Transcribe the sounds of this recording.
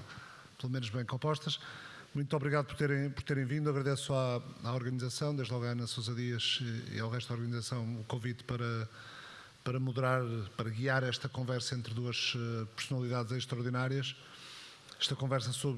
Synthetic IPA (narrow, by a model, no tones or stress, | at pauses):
pɨlˠumenuʒβɐ̃j̃kõmpɔʃt̪ɐʃ | mũj̃t̪ɔβɾiɣaðupuɾt̪eɾẽj̃puɾt̪eɾẽj̃vĩnd̪uɐɣɾɐðesuaaɔɾɣɐnizɐsɐ̃w̃d̪eʒðlˠɔɣanɐsowzɐðiɐzḭawʁɛʃt̪uðɔɾɣɐnizɐsɐ̃w̃ukõvit̪pɐɾɐ | pɐɾɐmuðɾaɾpɐɾɐɣiaɾɛʃt̪ɐkõvɛɾsɐẽnt̪ɾðuɐʃɛpɨɾsunɐlˠiðaðzeʃt̪ɾɐɔɾðinaɾiɐʃ | ɛʃt̪ɐkõvɛɾsɐsoβ